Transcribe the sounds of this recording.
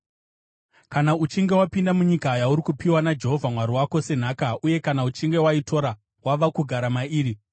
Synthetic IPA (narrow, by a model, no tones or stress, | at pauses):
kanaut͡ʃiŋɡe̞wapindamuɲikaːjauɾikupiwanad͡ʒe̞ɦo̞vʱamwaɾiwako̞se̞n̤aːkaʔuje̞kanaut͡ʃiŋɡe̞waitʰo̞ɾa | waʋakuɡʱaɾamaiːɾi